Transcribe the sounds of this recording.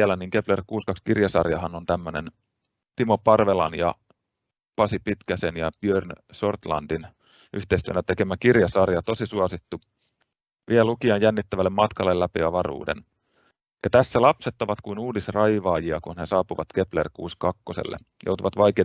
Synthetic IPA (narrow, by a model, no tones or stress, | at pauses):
ælæniːŋkeplerkuːskɑkskirjɑsɑ̰rjɑɦɑnont̪æmːønḛn | t̪imopɑrʋelɑ̰njɑ̰ | pɑsipit̪kæsenjɑpiørnso̞rt̪lɑ̰ndin | yht̪eist̪yænæt̪ekemækirjɑsɑrjɑt̪o̞sisuɑsit̪ːu | ʋʔiælukiɑnjænːit̪ːæʋælːemɑt̪kɑlːellæpiɑʋɑrṵːdḛn | jɑt̪æsːælɑpset̪ːoʋɑt̪kuinuːdisrɑjʋɑːjiɑkunnesɑːpuʋɑt̪keplḛrkuːskɑkːosḛlːḛ | jo̰ut̪uʋɑt̪ʋɑikeː